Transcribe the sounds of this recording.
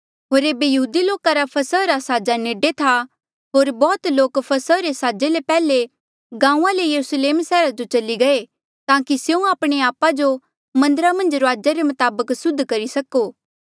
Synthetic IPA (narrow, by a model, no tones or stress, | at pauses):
ɦoːɾeːbejɐɦuːd̪iloːkaɾapʰɐsəɾasaːd͡ʒaneːɖet̪ʰa | ɦoːɾbɔːt̪loːkpʰɐsəɾesaːd͡ʒelepɛːle | ɡãːũãlejɐɾusleːmsɛːɾad͡ʒot͡ʃɐliɡɐe | t̪ãːkisjeũaːpɽ̃eaːpad͡ʒo | mɐ̃nd̪əɾamɐ̃nd͡ʒɾoaːd͡ʒaɾemɐt̪aːbəksʊd̪ʱːkɐɾisɐkoː